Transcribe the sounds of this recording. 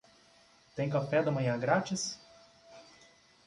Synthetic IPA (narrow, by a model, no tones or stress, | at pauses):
t̪ẽj̃kafɛd̪ɐmɐ̃j̃ɐ̃ɡɾat͡ʃɪs